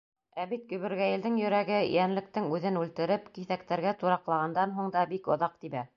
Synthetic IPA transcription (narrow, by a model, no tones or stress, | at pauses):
æbit̪̚kɵ̆βɘ̆ɾɡæjɘ̆ld̪ɘŋjɵ̆ɾæɡɘjænlɘ̆k̚t̪ɘŋʉðɘnʉlt̪ɘ̆ɾɘpkiθækt̪æɾɡæt̪uɾɑqlˠɑʁɑnd̪ɑnɦuɴd̪ɑbikŏðɑq̚t̪iβæ